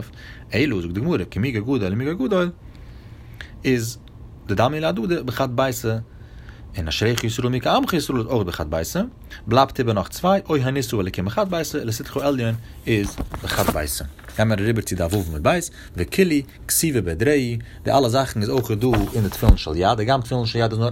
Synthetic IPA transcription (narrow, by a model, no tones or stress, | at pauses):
f | eɪlˠuzʊk̚dɪɡɪmuːɾəkɪmɪɡəɡuːdɔɪlˠɪnmɪɡaɡuːdɔɪlˠ | ɪz | dɪdamilˠaduːdəbəχat̚baɪsə | ɪnaʃɾeɪχəɪsɾuːlˠmɪkəamχəjɪsɾuːlˠəzoɪχbəχat̚baɪsə | blˠaptʰɪbəɾnɔχt͡svaɪʔoɪɦanɪsuɛlˠɪkɪnbəχat̚baɪsəlˠəsɪtχuɛlˠjən | ɪzbəχat̚ba̰ɪsə̰ɡamaɾaɾɪbəɾt͡sɪdavuvmɪt̚baɪs | vikʰɪlˠi | ksiːvəbɛdɾeɪdɪʔalˠəzaχn̩ɪzoɪχəduːɪndɪtfɪlˠn̩ʃɛlˠjad̚dɪɡamtfɪlˠn̩ʃɛlˠjadɪs̬nʊ